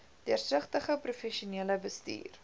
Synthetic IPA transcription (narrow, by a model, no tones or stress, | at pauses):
d̥iərsəχtəχəprufɛʃuniələbəstḭːr